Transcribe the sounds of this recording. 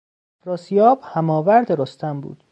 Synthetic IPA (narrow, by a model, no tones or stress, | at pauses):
ɾɒːsijɒːb̥hæmɒːvæɾd̪eɾost̪ʰæmbṵːd̪̥